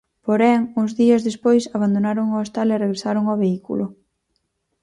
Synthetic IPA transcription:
poɾɛŋuzðiɐzðespojsaβand̪onaɾoŋoest̪alereɣɾesaɾoŋoβeikṵlʊ

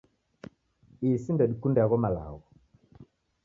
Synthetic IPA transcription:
isindɛɗikundɛaɣɔmala̰ɣɔ

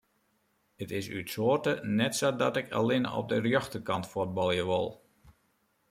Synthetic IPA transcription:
ətɪsy̰tsoərtənɛtsodɔtɪkʰa̰lɪnɔ̰p̚dərjɔxtəkɑntfot̚bɑlˠjəʋo̰lˠ

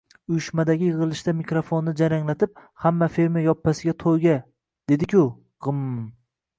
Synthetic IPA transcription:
ʊjʊʃmad̪aɡʲɪjɨʁɨlˠɪʃt̪amɪkɾofonːɪd͡ʒaɾaŋlat̪ʰɪp̚hamːafeɾmjajɒpʰːasɪɡʲat̪ʰojɡʲa | d̪̥e̞d̪ɪkʲʰʊ | qɨmm

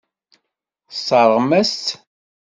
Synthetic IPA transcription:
sˤːɑɾˤʁmæst̪

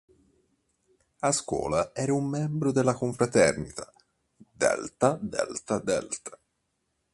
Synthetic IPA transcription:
askwɔ̰ːlaɛːɾaumːɛmbɾod̪elːakoɱfɾat̪ɛrnit̪ʰḁ | d̪ɛ̰lt̪ad̪ɛ̰lt̪ad̪ɛ̰lt̪ḁ

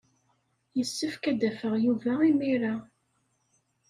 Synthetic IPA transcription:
jəsːəfkæd̪æfəʁjuvæimiɾa

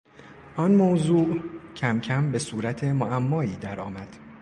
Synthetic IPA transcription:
ʔɒnmozuːʔcʰæmcʰæmbe̞suːɾæt̪ʰemoæmːɒːiːd̪æɾɒːmæd̪̥

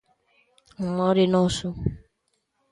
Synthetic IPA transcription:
ŋ̩mɔɾɪnɔsʊ

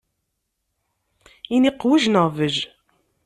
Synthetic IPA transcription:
iniqːwəʒnəʁvəʒ

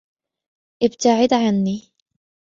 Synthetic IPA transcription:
ʔɪb̚t̪aʕɪd̪ʕanːi

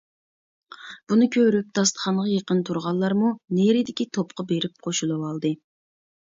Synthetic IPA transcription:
b̥unɨkʲʰøɾyp̚t̪ʰɑst̪ʰə̥χɑnʁɑjeqənt̪ʰuɾʁɑlˠːɑɾmuneɾɪd̪ɪkʲit̪ʰopqɑbeɾɪp̚qʰoʃulˠɨwɑlˠd̪ɨ

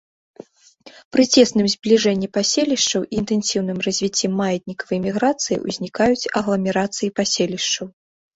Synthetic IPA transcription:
pɾɨt͡sʲɛsnɨmzʲblʲiʐɛnʲːipasʲelʲiʂt͡ʂɐwʔiːnt̪ɛnsʲiwn̪ɨmrɐzʲvʲit͡sʲːɛmːajɐd̪ʲnʲikɐvɨjmʲiɣɾat̪sɨjḭʔṵzʲnʲikajut͡sʲɐɣlˠɐmʲɛɾat̪sɨjipasʲelʲiʂt͡ʂɐw

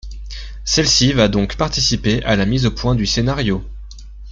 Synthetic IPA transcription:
sɛlsivad̪ɔ̃kpaʁt̪isipeʔalamizopwɛ̃d̪ysenaʁjo

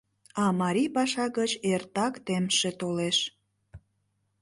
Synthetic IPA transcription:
ɑmɑɾʲipɑʃɑɣət͡ɕert̪ɑkt̪emʃet̪oleʃ

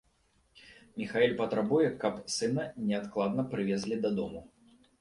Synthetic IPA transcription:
mʲixaɛlʲpɐt̪ɾabujɛkɐpsɨnɐnʲɛat̪klˠad̪̚nɐpɾɨvʲezʲlʲid̪ɐd̪ɔmu

